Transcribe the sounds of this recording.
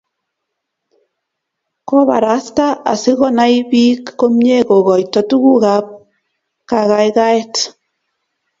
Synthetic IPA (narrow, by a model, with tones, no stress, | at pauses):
ko˦βa̰˨ɾa˨˦sta˦ʔa̰˨si˦ɣɔ˦na˦i˦βi˦kːo˦mɲe˦ɣo˨ɣɔ˨i˨tɔ˨tu˦ɣu˦ɣa˨p̚ | ka˨ɣajɣa˦e˦t